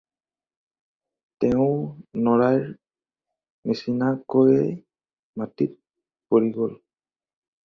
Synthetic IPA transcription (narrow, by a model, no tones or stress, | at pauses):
tɛʊ̃nɔɹajɹ | misinakoɹɛ | matit̚ | poɹiɡɔl